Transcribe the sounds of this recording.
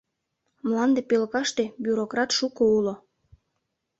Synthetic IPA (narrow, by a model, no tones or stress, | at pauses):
mlɑnd̪epølkɑʃt̪ebjuɾokrɑt̪ʃukoulo